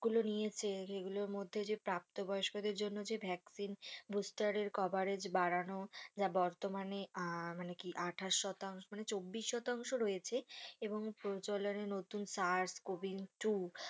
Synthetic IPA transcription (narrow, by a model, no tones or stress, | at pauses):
ɡulonijet͡ɕʰeʃeɡuloɾmod̪ʱːed͡ʑepɾap̚t̪obɔjoʃkod̪eɾd͡ʑonːod͡ʑebʱɛksinbusʈaɾeɾkɔbaɾed͡ʑbaɾanod͡ʑabɔɾt̪omanemanekiʔaʈʰaʃːɔt̪aŋʃomanet͡ɕobːiʃːɔt̪aŋʃoɾojet͡ɕʰeeboŋpɾod͡ʑolonenot̪unsaɾskobiŋʈu